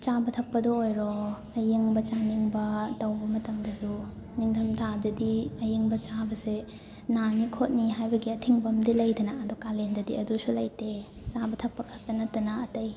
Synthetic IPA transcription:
t͡ʃabɐtʰɐk̚pɐdɔːjɾɔ | ɐjeŋbɐt͡ʃaniŋbɐtɐwbɐmɐtɐŋdɐsuniŋtʰɐmtʰadɐdiɐjeŋbɐt͡ʃabɐse | nanikʰot̚niɦajbɐɡiɐtʰiŋbɐmdilɐjdɐnɐɐdukalendɐdiɐdusulɐjte | t͡ʃabɐtʰɐk̚pɐkʰɐk̚tɐnɐtːɐnɐɐtɐj

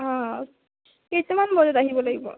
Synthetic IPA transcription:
ã | kejtɛmanbɔdɔtaɦibɔlaɡibɔ̰

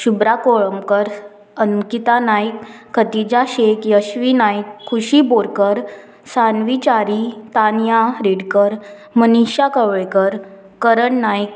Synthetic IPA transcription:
ɕubɾakoɭəmkəɾ | ənkit̪anajkʰːət̪id͡ʑaɕekjəɕʋinajkʰːuɕiboɾkəɾ | sanʋit͡ɕaɾit̪anjaɾeɽkəɾ | məniɕjakəʋɭekəɾ | kəɾəɳnajk̚

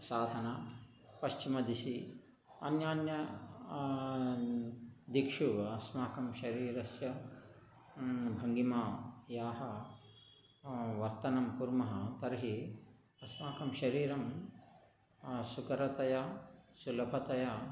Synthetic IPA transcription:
saːd̪ʱɐnaː | pɐʃt͡ʃimɐd̪isi | ɐnjaːnjɐ | d̪ikʂuʋɐsmaːkɐmʃɐɾiːɾɐsjɐ | bʱɐŋɡimaːjaːɦɐ | ʋɐɾt̪ɐnɐmpuɾmɐɦɐt̪ɐɾɦi | ɐsmaːkɐmʃɐɾiːɾɐm | sukɐɾɐt̪ɐjɐsulɐbʱɐt̪ɐja

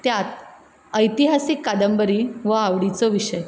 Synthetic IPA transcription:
t̪jat̪ | əjt̪iɦasikːad̪əmbəɾiʋəaʋɽit͡sɔʋiɕəj

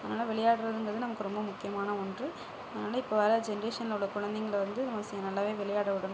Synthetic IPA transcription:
ɐðɐnaːlɐʋɛɭɪjaːɽɯɾɐðɯnd̪ɾɐðɯnɐmɐkːɯɾɔmbɐmʊkːɪjɐmaːnɐɔndrɯ | ɐðɐnaːlɐɪpːoʋɐɾɐd͡ʒɛnɐɾeːʂɐnɐlɽɐkʊɻɐnd̪ɛŋɡɐɭʋɐnd̪ɯnɐmɐsɪjɐnɐlːaːʋeːʋɛɭɪjaːɽɐʋɪɽɯn

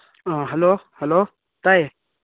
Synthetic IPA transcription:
ɦəloːhəloː | t̪ae

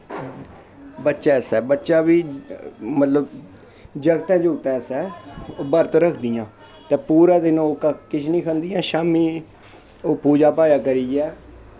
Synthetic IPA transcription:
bətːʃaːsɛːbətːʃaːbiː | mət̪ləb | d͡ʒəɡt̪ãːd͡ʒʊɡt̪ãːsɛːbəɾt̪ɾəkʰd̪ijãː | t̪ɛ̃ːpuːɾaːd̪ɪnõːkəkɪt͡ʃʰnĩːkʰənd̪ijãːʃaːmiː | oːpuːd͡ʒaːpaːjaːkəɾiːɛː

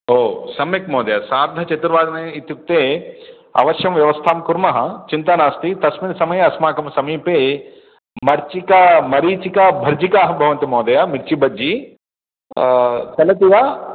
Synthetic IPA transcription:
oːsɐmːikmɔːd̪ɐjasaːɾd̪ʱɐt͡ʃɐt̪uɾʋaːd̪ɐnɐit̪juk̚t̪eː | ɐ̰ʋɐʃjɐmʋjɐʋɐst̪ʰaːmkuɾmɐɦɐt͡ʃint̪aːnaːst̪it̪ɐsmid̪sɐmɐjɐɐsmaːkɐmsɐmiːpeː | mɐɾt͡ʃikamɐɾiːt͡ʃikabʱɐɾd͡ʒikaːɦɐbʱɐʋɐnt̪imɔːd̪ɐjaːmiɾt͡ʃibɐdd͡ʒi | t͡ʃɐlɐt̪iɡaː

